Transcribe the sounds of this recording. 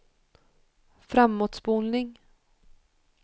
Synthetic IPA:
fɾamːoːt̪sbuːnnɪŋ

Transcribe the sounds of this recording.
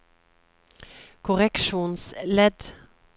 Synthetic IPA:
kʰʊʁɛkʃuːnslɛd̪

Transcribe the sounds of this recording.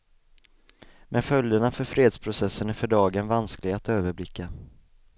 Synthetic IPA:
mʔɛnfœljd̪əɳafœɾfɾeːd̪spʰɾʊsɛsːənæɾfœɖɑːɡənvansklɪɡat̪øːvəɾblɪkʰːə

